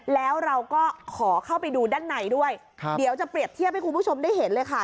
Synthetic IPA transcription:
lɛː˦˥wɾa˧wkɔː˥˩kʰɔː˩˦kʰa˥˩wpa˧jduː˧daː˥˩nːa˧jdu˥˩əjʰ | di˨˩˦wt͡ɕa˨˩pɾi˨˩əp̚t̪ʰi˥˩p̚ha˥˩ku˧npʰu˥˩t͡ɕʰo˧mdaː˥˩jɦe˩˦nlɤː˧jkʰa˥˩

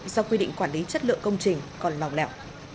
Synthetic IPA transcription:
zɔ˧kwi˧ɗḭ̈˧˨ŋkwaː˧˩nli˨˦t͡ɕə˦˥t̚lɨ̰˧˨əŋkə˧wŋ͡mt͡ɕï˨˩ŋ̟kɔ˨˩nla˨˩wŋ͡mlɛ̰˧˩w

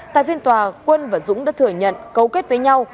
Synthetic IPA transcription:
t̪a̰ː˧˨jfi˧ənt̪waː˨˩kwə˧nvaː˨˩zʊ̰˧˥ŋ͡mɗa̰ː˧˥t̪ʰɨ˧˩əɲə̰˧˨nkə˨˦wke˦˥t̚və˨˦jɲa˧w

